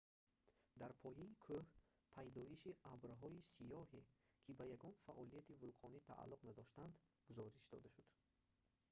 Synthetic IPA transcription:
d̪aɾpʰɔjaikʰɵh | pʰajd̪ɔiʃiʔabɾɦɔisijɔɦekʰibajaɡɔnfaʔɔlijat̪ʰivulqʰɔnit̪ʰa̰ʔa̰lːuqnad̪ɔʃt̪and̪ɡ̥uzɔɾiʃd̪ɔ̰d̪aʃud̪̥

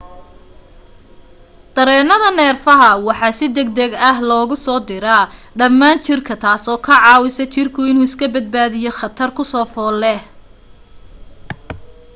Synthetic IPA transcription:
d̪̥ɐɾɛːnɐðɐnɛːrfɐɦɐwɑħɑːsɪd̪ɛɡ̚d̪ɐɡɐɦlɔːɣʊsɔːd̪ɪɾɐ | ɖɐmːaːnt͡ʃɪrkʰɐt̪ʰaːsɔːkʰɐʕɑːwɪsɐt͡ʃɪrkʰʊɪnuːɪskʰɐbɐd̪̚baːðɪjɔχɐt̪ʰɐrkʰʊsɔːfɔːlɛ

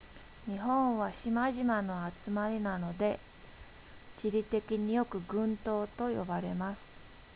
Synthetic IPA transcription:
ɲ̟iɦõ̞ɰ̃βaɕimaʑimano̞at͡sɨmaɾʲinano̞d̪e̞ | t͡ɕiɾʲit̪e̞kʲiɲ̟ijo̞kɯ̟ɡɯ̟̃nt̪o̞ːt̪o̞jo̞̰baɾe̞masɨ̥

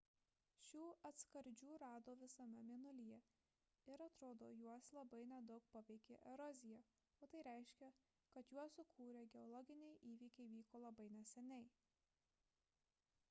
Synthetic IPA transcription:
ʃʲuːɐt̪skɐɾʲd͡ʒʲuːɾɑːd̪oːʋʲɪsɐmʲɛmʲiɛnʊlʲijɛ | ɪɾɐt̪ɾoːd̪o̰ːjuɔslˠɐbɐɪnʲɛd̪ɒʊk̚pɐʋʲɛɪkʲeːʔɛɾɔzʲɪjɛ | oːt̪ɐɪɾʲæˑɪʃʲkʲɛ | kɐt̪juɔsʊkʰuːɾʲɛɡʲɛɔlˠɔɡʲɪnʲɛɪʔiːʋʲiːkʲɛɪʋʲiːkoːlˠɐbɐɪnʲɛsʲɛnʲɛɪ

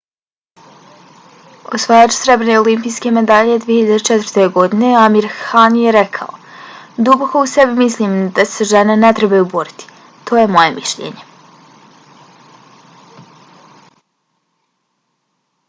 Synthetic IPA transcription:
o̰sʋaːjat͡ʃu̥sɾe̞bɾeneolimpiːjske̞me̞d̪aʎed̪viːeçiʎad̪et͡ʃɛt̪vɾt̪eɡo̞d̪ine̞amiɾhanjeɾekʰa̰o̰d̪uboko̞usebimislʲiːmd̪aseʒenenet̪ɾebajuboɾit̪i̥ | t̪o̞ːje̞mo̞jemʔiʃʎḛːɲe̞

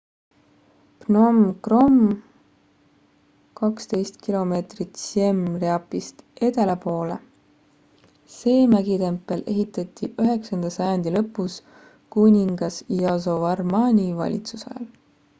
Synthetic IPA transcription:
pnomkro̞m | kɑkst̪e̞jst̪̚kilo̞me̞ːt̪rit̪semreɑpːist̪e̞t̪e̞lepo̞ːlḛ | se̞ːmæɡit̪e̞mpːˑe̞lʔe̞ɦit̪ːˑɑt̪ːiyɦe̞ksɑnd̪̥ɑsɑjɑnd̪ilɤpːˑus | kunʲiŋɡ̥ɑsɑsovɑrmɑnʲivɑ̰lʲḭt̪susɑ̰jɑ̰l

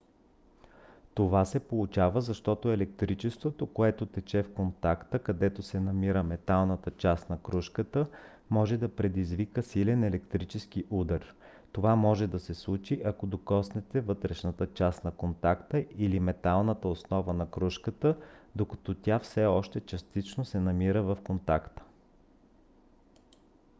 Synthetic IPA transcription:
t̪ovasɛpolˠut͡ʃavəzɐʃt̪ɔt̪oɛlɛkt̪ɾit͡ʃɛst̪vot̪okoɛt̪ot̪ɛt͡ʃɛfkont̪akt̪əkɐd̪ɛt̪osɛnɐmiɾəmɛt̪alˠnət̪ət͡ʃast̪nɐkɾuʃkət̪ə | mɔʒɛd̪ɐpɾɛd̪izvikəsilɛnɛlɛkt̪ɾit͡ʃɛsk̟iʔud̪əɾ | t̪ovamɔʒɛd̪ɐsɛslˠut͡ʃiʔɐkod̪okɔsnɛt̪ɛvɤt̪ɾɛʃnət̪ət͡ʃast̪nɐkont̪akt̪əʔilimɛt̪alˠnət̪əosnɔvənɐkɾuʃkət̪əd̪okɐt̪ɔt̪ʲafsɛɔʃt̪ɛt͡ʃɐst̪it͡ʃnosɛnɐmiɾəvɐfkont̪akt̪ə̥

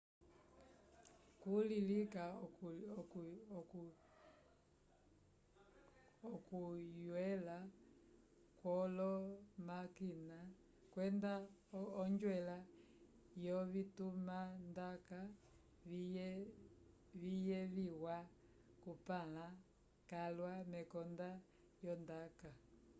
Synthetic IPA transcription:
kulilika | ɔkujwɛla | kwɔlɔmakina | kwɛndaɔɲd͡ʒwɛla | jɔβitumandaka | βijɛβiwa | kupala | kalwamɛkɔnda | jɔndaka

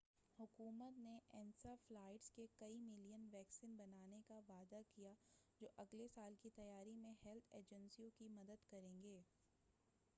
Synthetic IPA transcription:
hʊkuːmət̪neʔɛːnsaflaːɪʈskekɐimɪlijənʋɛːksiːnbɐnaːnekaʋaːd̪akijad͡ʒoːʔɐɡlesaːlkit̪ɐjaːɾimẽhɛlt̪ʰeːd͡ʒə̃nsijõkimɐd̪əd̪kɐɾẽːŋɡeː

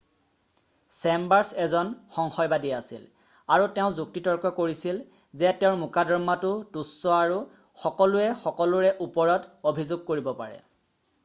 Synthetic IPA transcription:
sɛmbaɹsɛzɔnxɔŋxɔjbadiasḭl | aɹuteʊ̃zuk̚titɔɹkɔkoɹisil | zɛtɛʊ̃ɹmukadɔɹmatʊtusːɔaɹu | xɔkɔlʊɛxɔkɔlʊɹɛʔupɔɹɔtobʱizʊɡ̚koɹibɔpa̰ɹɛ̰

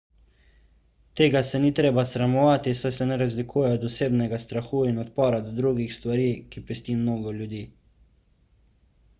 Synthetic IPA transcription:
t̪eːɡasɛnit̪ɾeːbasɾamɔʋaːt̪isajsɛnɛɾazlikuːjɛɔd̪ɔseːbnɛɡast̪ɾaxuːinɔt̪̚pɔːɾad̪ɔd̪ɾuɡixst̪ʋaɾiːkipɾist̪imnoːɡɔljud̪iː

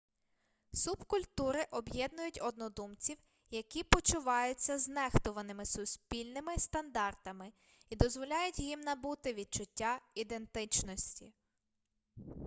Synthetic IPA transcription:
subkʊlʲt̪uɾɪʔɔbjɛd̪nʊjʊtʲɔd̪nɔd̪umt͡sʲiw | jɐkʲipɔt͡ʃʊʋɑjʊt͡sʲːɐznɛxt̪ʊʋɐnɪmɪsʊsʲpʲilʲnɪmɪst̪ɐnd̪ɑrt̪ɐmɪ | id̪ɔzʋɔlʲɑjʊtʲjimnɐbut̪ɪʋʲid̪̚t͡ʃʊtʲːaid̪e̞nt̪ɪt͡ʃnɔsʲtʲḭ

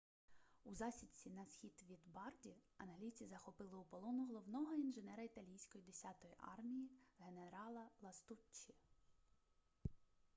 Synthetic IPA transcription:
uzɑsʲit͡sʲinɐsxʲid̪ʋʲid̪bɑrdʲiɐ̰nɦlʲit͡sʲizɐxɔpɪlˠɪupɔlˠɔnʊɦɔlˠɔwnɔɦɔinʒenɛɾɐit̪ɐlʲijsʲkɔjid̪esʲɑt̪ɔjiʔɑ̰rmʲijiɦe̞neɾɑlˠɐlˠɐst̪ut͡ʃːi

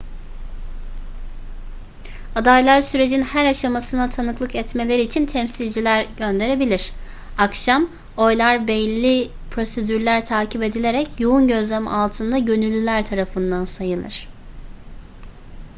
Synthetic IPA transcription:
ad̪ajlˠaɾsyɾe̞d͡ʒinhæɾaʃamasɯnat̪ʰanɯklˠɯkɛt̪me̞lʲe̞ɾiːt͡ʃʰint̪ʰɛmsilʲd͡ʒilʲæɾɟø̞nd̪e̞ɾe̞bilʲiɾ̥ | akʃam | o̞jlˠaɾbɛlʲːi | pʰɾo̞se̞d̪yɾlʲæɾt̪ʰaːcʰipe̞d̪ilʲe̞ɾɛcʰjounɟø̞zlʲemḭalˠt̪ʰɯnd̪aɟø̞nylʲːylʲæɾt̪ʰaɾafɯnd̪ansajɯlˠɯ̰ɾ̥

